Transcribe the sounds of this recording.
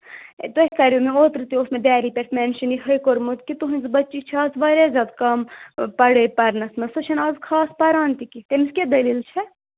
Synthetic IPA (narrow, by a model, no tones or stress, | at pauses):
d̪oɦikɐɾomeoːt̪ɾɨt̪iosmed̪æːɾipʲeʈʰmɛnʃiniɦɐjkoɾmut̪kit̪uɦɨnʲzbɐtːt͡ʃikt͡ʃʰazʋɐɾezʲaːd̪kɐmpɐɽəjpɐɾnɐsnɐsɐt͡ʃʰɐnɐzkʰaːspɐɾaːnt̪ikit̪emisked̪ɐliːlt͡ʃʰɛ